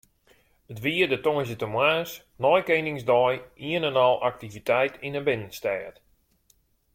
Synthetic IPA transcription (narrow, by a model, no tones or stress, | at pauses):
ətʋiədətoəzətəmwaːs | nɔjkejnɪŋsdɔjiənənɔlˠʔak̚tivitɛjtinəbɪnənstɛːt